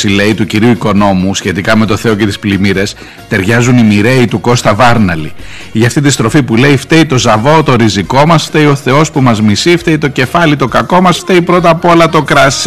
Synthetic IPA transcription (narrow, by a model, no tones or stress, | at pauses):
sile̞it̪uciɾiuiko̞no̞musçe̞t̪ikɐme̞t̪o̞θe̞o̞ce̞t̪i̥splimiɾe̞s | t̪e̞ɾʝɐzunimiɾe̞it̪uko̞st̪ɐvɐɾnɐlḭ | ʝɐft̪it̪ist̪ɾo̞fipule̞ift̪e̞it̪o̞zɐvo̞t̪o̞ɾiziko̞mɐsft̪eio̞θe̞o̞spumɐzmisift̪eit̪o̞ce̞fɐlit̪o̞kɐko̞mɐsft̪e̞ipɾo̞t̪̬ɐpo̞lɐt̪o̞kɾɐs